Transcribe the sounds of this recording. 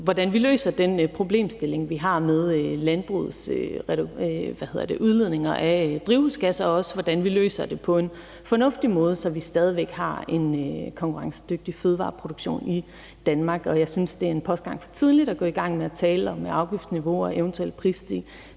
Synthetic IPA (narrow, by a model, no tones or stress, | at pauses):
ʋɒdænʋilø̰ːsɐd̥enpʰʁo̝b̥le̝̰ːmsd̥e̝le̝ŋʋiɦɑ̈með̞ˠlænb̥ʁuð̩ˠsøʁɛ̥ʋæhe̝ðˠɐd̥e̝ʔuð̞ˠleð̞̰ˠne̝ŋɐʔæd̥ʁiʊsɡ̥æsɐɒ̽səʋɒd̥ænʋilø̰ːsɐd̥e̝pʰɒ̽e̝n | fɒ̽nɔ̽fd̥imɔ̽ːð̞ˠəsɒ̽ʋisd̥ɛːð̞ˠiʋeɡ̥hɑ̈e̝nkʰɒ̽ŋkʰuʁɑ̈ŋsə̥d̥øɡ̥̚d̥iføð̞ˠʋɑ̰̈ːpʰʁo̝d̥oɡ̥ɕo̝̰ːni | d̥ænmɑ̈ːɡ̥ɒ̽jɑ̈ɪsynsd̥e̝æɐe̝npʰɒ̽sd̥ɡ̥ɑ̈ŋ̰fɒ̥̽t͡sʰið̞ˠlid̥ɒɡ̥ɔ̰̽iɡ̥ɑ̈ŋ̰meæt͡sʰɛːləɒ̽mːeʔɑ̈ʊɡ̥ifd̥sniʋo̝ɒʔeʊnt͡sʰuel̰pʰʁḭːsd̥ʰi